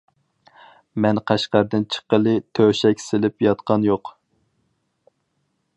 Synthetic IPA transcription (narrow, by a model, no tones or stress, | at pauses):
mɛnqʰæʃqæɾd̪ɪnt͡ʃʰə̥qəlˠɨt̪ʰøʃɛkʲsɪlɪpjɑt̪qɑnjoq